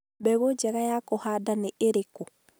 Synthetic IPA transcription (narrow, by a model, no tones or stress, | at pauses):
bɛɣod͡ʒɛɣajakɔhadaneʔeɾeko